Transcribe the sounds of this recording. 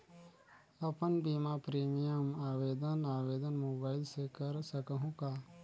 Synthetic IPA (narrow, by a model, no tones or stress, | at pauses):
ɐpənbiːmapɾeːmijəmaːʋeːd̪ənaːʋeːd̪ənmoːbaːɪlsekɐɾsəkəɦũkaː